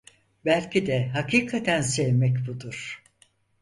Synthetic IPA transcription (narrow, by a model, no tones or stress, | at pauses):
bælʲcʰid̪ɛɦakiːkʰat̪ʰænsɛvmɛcbud̪uɾ̥